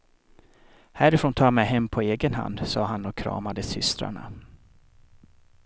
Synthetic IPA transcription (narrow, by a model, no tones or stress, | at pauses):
hæɾɛfɾoːnt̪ʰɑːmɛjɦɛmːpʰɔeːɡənɦa̰nd̪sɑːɦanɔkʰɾɑ̰ːmad̪əsʏst̪ɾa̰ɳa̰